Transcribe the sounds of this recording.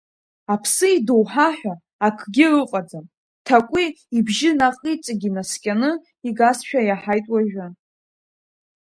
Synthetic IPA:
apʰsɨidowħaħᶣʷaː | kʰɡʲɪrɨqʼad͡zam | tʰakʷʼi | ibʒɪnaqʼit͡sʼaɡʲimaskʲʼanɨ | iɡasʃᶣajaħajtʼwaʒᶣa

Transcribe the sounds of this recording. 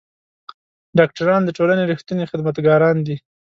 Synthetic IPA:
ɖɑk̚ʈaɾɑnd̪əʈolaneɾixt̪unexɪd̪mat̪ɡɑɾɑnd̪i

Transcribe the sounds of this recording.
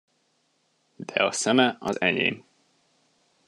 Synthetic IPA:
d̪̥ɛɒsɛmɛɒzɛɲḛːm

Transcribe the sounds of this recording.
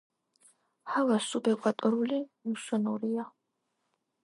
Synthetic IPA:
halasubɛqʷʼat̪ʼɔɾulimusɔnɔɾija

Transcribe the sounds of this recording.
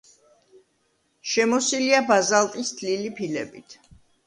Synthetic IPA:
ʃɛmɔsiliabazalˠt̪ʼisd̪lilipʰilɛbit̪ʰ

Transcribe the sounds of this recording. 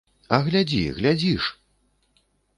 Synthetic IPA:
ɐɣlʲad͡zʲḭɣlʲad͡zʲiʂ

